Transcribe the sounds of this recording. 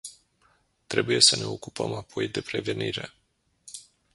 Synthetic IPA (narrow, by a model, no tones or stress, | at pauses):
t̪ɾe̞buje̞səne̞o̞kupəmapʰo̞jd̪e̞pɾe̞ve̞niɾe̞